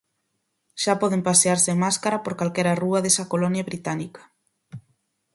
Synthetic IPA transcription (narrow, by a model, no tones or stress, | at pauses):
ʃapɔð̞empaseaɾsemaskaɾapoɾkalkɛɾaruaðesakolɔnjaβɾit̪anikḁ